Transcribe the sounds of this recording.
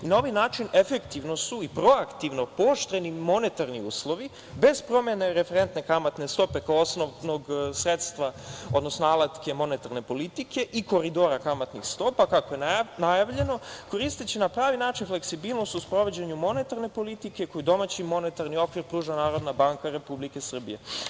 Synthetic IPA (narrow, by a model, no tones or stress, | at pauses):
inao̞ʋajnaːt͡ʃine̞fe̞kt̪iʋno̞suipɾo̞akt̪iʋno̞po̞ʃt̪ɾe̞nimo̞ne̞t̪aɾniṵːslˠo̞ʋi | be̞z̥pɾo̞mje̞ne̞ɾe̞feɾe̞nt̪nekamat̪ne̞st̪o̞pe̞kaoosnono̞ɡsɾe̞t̪st̪ʋao̞d̪no̞snoalat̪ke̞mo̞ne̞t̪aɾne̞po̞lit̪ikʰe̞ʔiko̞ɾid̪o̞ɾakamat̪nixst̪o̞pakakoje̞najaʋʎe̞no̞ko̞ɾist̪et͡ɕenapɾaːʋinaːt͡ʃinfle̞ksibiːlˠnost̪uspɾo̞ʋod͡ʑeɲumo̞ne̞t̪aɾne̞po̞lit̪ike̞ko̞jud̪o̞mat͡ɕimo̞ne̞t̪aɾnio̞kʋiɾpɾuːʒanaːɾo̞d̪nabaːŋkaɾe̞publike̞sr̩bḭje̞